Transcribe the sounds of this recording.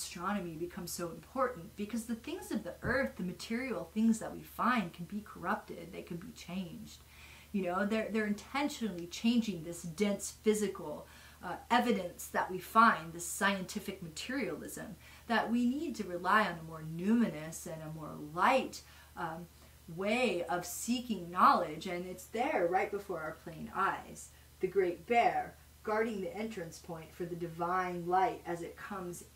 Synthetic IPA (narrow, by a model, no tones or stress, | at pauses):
stɹ̥ɑnɨmibɨkʰʌ̃mz̥soʊə̃mpʰɔɹʔn̩b̥ɨkʰʌzðɨθɪ̃ŋzʌvðiʔɜ˞θðɨmɨtʰɪɹil̩ˠθɪ̃ŋzðəʔ̚wḭfãɪ̃n̚kʰn̩bikʰə˞ʌp̚tɪd̪̚ðeɪkʰɨ̃nbit͡ʃʰẽɪ̃nd͡ʒd̥ | jɨnoʊðə˞ðə˞ɨ̃ntʰɛ̃nʃɨnl̩ˠit͡ʃʰẽɪ̃nd͡ʒɪ̃ŋðɪsd̥ɛ̃nsfɪzɨkl̩ˠ | ɛvɨɾɨ̃nsðəʔ̚wifãɪ̃nðɪsaɪɨ̃ntʰɪfɨk̚mɨtʰɪɹil̩ˠɪ̰zɨ̰̃m | ðɨʔ̚winid̚tʰɨɹɨlaɪɨ̃nəmɔɹnʉmɨnɨsɨ̃nəmɔ̰ɹlaɪt | weɪʌv̥sikɪ̃ŋnɑlˠɪd͡ʒɨ̃nɨtsðə˞ɹaɪt̚b̥əfɔɹaʊə˞pʰl̥ẽɪ̃na̰ɪz̥ | ðɨɡɹeɪt̚b̥ɛɹ | ɡ̥ɑɹɾɪ̃ŋðiʔɛ̃nt͡ʃɹ̥ɨ̃nspʰɔ̃ɪ̃ntfə˞ðɨdɨvãɪ̃nlaɪɾɨzɨt̚kʰʌ̃mz